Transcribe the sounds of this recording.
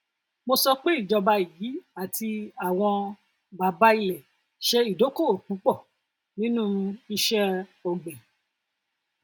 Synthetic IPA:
mo˧sɔ˧k͡pe˦i˦˨d͡ʒɔ˧ba˧˨jiː˨˦a˨tʰi˧a˨w̃ɔ̃˧ | ba˨ba˧˦i˧lɛ˨ | ʃɛ˧i˦˨do˨˦ko˦˨o˨k͡pũ˨˦k͡pɔ˦˨ | nĩ˦nũ˦i˧ʃɛ˦ɔ˨ɡ͡bɛ˨

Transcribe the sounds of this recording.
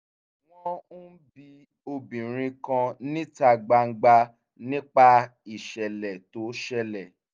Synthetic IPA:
w̃ɔ̃˧n̩˦bi˧ | o˧bĩ˨ɾ̃ĩ˧kã˧nĩ˦ta˧ɡ͡ba˧ŋ̩˦ɡ͡ba˧ | nĩ˦k͡pa˦˧i˦˨ʃɛ˨lɛ˨to˨˦ʃɛ˧lɛ˨

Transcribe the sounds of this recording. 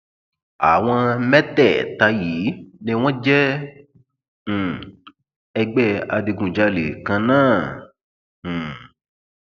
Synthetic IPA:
a̰˨w̃ɔ̃˧mɛ˦tɛ˦˨ta˧ji˨˦nĩ˦w̃ɔ̃˦d͡ʒɛ˦˨ | ɛ˧ɡ͡bɛ˦˨a˧di˧ɡũ˨d͡ʒa˧lḛ˨kã˧nãː˦˨

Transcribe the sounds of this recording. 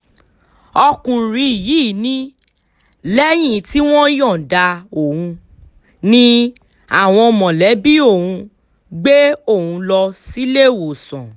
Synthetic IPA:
ɔ˧kũ˨ɾi˧˦i˨jiː˨˦˨nĩ˦ | lɛ˦j̃ĩ˦˨ti˦w̃ɔ̃˦jɔ̃˦˨da˧o˨hũ˧ | nĩ˦ | a˨w̃ɔ̃˧ɔ˧mɔ̃˨lɛ˨˦bi˦o˦˨hũ˧ | ɡ͡be˦o˦˨hũ˧lɔ˧si˦le˦˨wo˨sɔ̃˨

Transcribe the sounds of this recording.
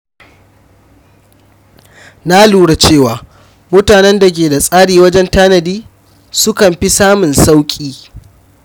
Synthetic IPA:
na˦luː˦ɽa˨t͡ʃeː˦˨waː˨ | mʊ˦taː˨nɛ˦nda˨k̬ʲeː˨da˨sʼaː˦ɽiː˨wɐ˦d͡ʒɛ˦ntaː˦nɐ˨diː˦ | sʊ˦kɐ˨mɸi˦saː˦mʊ˨nsa˦wkʲʼiː˦

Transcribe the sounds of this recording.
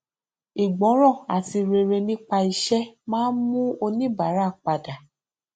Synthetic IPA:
i˨ɡ͡bɔ̃˨˦ɾ̃ɔ̃˦˨a̰˨ti˧ɾe˧ɾe˧nĩ˦k͡pa˧i˧ʃɛ˦mãː˦nmũ˦o˧nĩ˦ba˨˦ɾa˦˨k͡pa˨da˨

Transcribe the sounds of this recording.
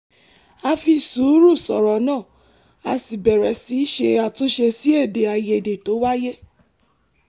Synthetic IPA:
a˧fi˧su˨˦ɾu˦˨sɔ̰˨ɾɔ˨˦nãː˦˨ | a˧si˨bɛ˨ɾɛ˨si˨˦ʃe˧a˨tũ˨˦ʃe˧si˦e˦˨de˨a˧je˧˨de˨to˨˦wa˦je˦

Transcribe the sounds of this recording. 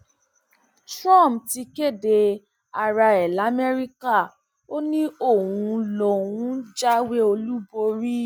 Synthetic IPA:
tɾã˦˨mti˧ke˦˨de˧ | a˧ɾa˧ɛ˨la˨˦mɛ˦ɾi˦ka˦˨ | o˦nĩ˦o˦˨w̃ũ˧lɔ˧wũ˨˦d͡ʒa˦we˦o˧lu˦bo˧˦ɾi˦

